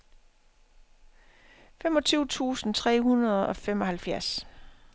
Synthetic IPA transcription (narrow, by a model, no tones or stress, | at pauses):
femɒ̽t͡sʰyʊt͡sʰṵːsn̩t͡sʰʁɛ̰ːɦunɐðˠɒ̽femɒ̽hælfjæɐs